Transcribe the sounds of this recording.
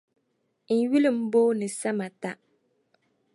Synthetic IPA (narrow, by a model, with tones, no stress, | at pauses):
n̩˨ɥi˦lɨ˨m̩˦boː˦nɨ˨sa˦ma˨ta˦